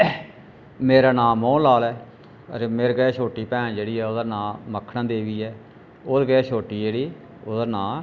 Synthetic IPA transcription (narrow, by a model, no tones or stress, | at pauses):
meːɾaːnãːmõːlaːlɛː | ə̰ɾeːmeːɾɡəɛːʃʰoːʈiːpɛ̃ːd͡ʒeːɽiːɛːod̪ənãːməkʰɽãːd̪eːʋiːɛː | oːd̪ɡəɛːʃʰoːʈiːd͡ʒeːɽiː | oːd̪ənãː